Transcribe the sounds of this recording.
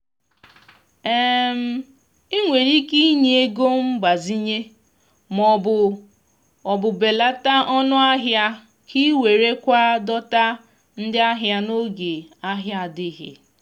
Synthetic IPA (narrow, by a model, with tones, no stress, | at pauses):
e˦m̩˦ | i˦ŋʷe˨ɾi˦ki˦ɲe˦e˦ɡo˦m̩˦ɡ͡ba˨zi˦ɲe˦ | mɔ˨bʊ˨ | ɔ˨bʊ˨be˨la˦ta˦ɔ˦nʊ˦a˦ɦja˦ | kʰi˦we˨ɾe˦kʷa˦dɔ˦ta˦ | n̩˦dɪ˦a˦ɦja˦no˦ɡe˨a˦ɦja˦a˨dɪ˦ɦɪ̰˨